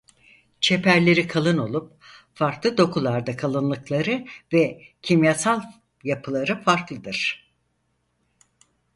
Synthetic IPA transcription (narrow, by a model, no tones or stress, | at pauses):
t͡ʃʰe̞pʰæɾlʲe̞ɾikʰalˠɯno̞lˠup̚ | faɾklˠɯd̪o̞kʰulˠaɾd̪akʰalˠɯnlˠɯklˠaɾɯvɛcʰimjasalˠ | japʰɯlˠaɾɯfaɾklˠɯd̪ɯɾ̥